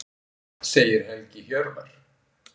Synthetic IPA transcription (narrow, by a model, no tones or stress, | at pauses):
seːjɪɾɛncɪçœɾvaɾ̥